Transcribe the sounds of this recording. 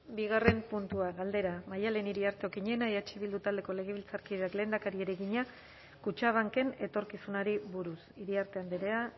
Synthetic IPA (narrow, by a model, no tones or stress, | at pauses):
biɣ̞are̞mpunt̪uaɣald̪e̞ɾamajaleniɾiaɾt̪eokiɲe̞naeat͡ʃiβild̪ut̪ald̪e̞ko̞le̞ɣ̞e̞β̞ilt͡saɾkiðe̞akle̞ːnd̪akaɾie̞ɾe̞ɣiɲa | kut͡ʃaβ̞aŋke̞ne̞t̪o̞ɾkisunaɾiβuɾusiɾiaɾt̪e̞and̪iɾea